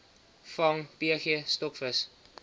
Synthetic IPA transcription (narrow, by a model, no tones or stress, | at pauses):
fɐŋpiəχiəstɔkfəs